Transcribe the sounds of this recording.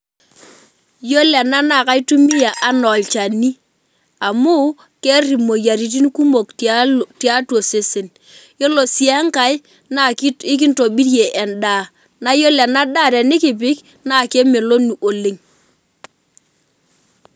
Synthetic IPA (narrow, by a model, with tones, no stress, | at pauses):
jo˦lɛ˨na˦na˨ka˨i˦tu˦mi˦ja˨ʔa˨˦nɔ˨lt͡ʃa˨ni˦ | a˨mu˦ | ke˦ri˨mo˨ja˨ɾi˨t̬i˦n˦ku˦mo˨kti˦a˦two˨sɪ˦sɪ˨n | jo˦lo˨si˨a˦ŋka˨j | na˨˦ɪ˦k̬ɪ˦nto˨bi˦ɾje˨ʔɛ˨nda˨ | na˦jo˦la˨na˦da˦˨ɾɛ˨nɪ˦kɪ˨p̬ɪ˦k | na˦˨ke˦mɪ˨lo˦nu˨ʔo˨le˨ŋ